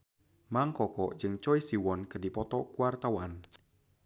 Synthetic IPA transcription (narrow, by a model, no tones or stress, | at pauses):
maŋkɔkɔ̥d͡ʒɨŋt͡ʃɔisiwɔnkədipɔt̪ɔkuwart̪awan